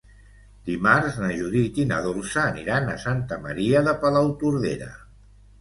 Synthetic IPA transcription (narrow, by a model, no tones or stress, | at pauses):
d̪imaɾznəʒuðit̪inəðolˠsəːniɾanəsant̪əməɾiəðəpəlawt̪uɾðḛɾə̰